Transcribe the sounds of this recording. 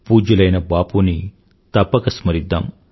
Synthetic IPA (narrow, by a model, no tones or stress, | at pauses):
puːd͡ʒulɐjnɐbaːpuni | t̪ɐpːɐkɐsmɐɾid̪ːa̰ːm